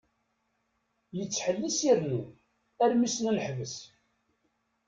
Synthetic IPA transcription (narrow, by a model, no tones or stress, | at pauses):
jət͡sːħəlːisiɾnu | æɾmisnləħvəs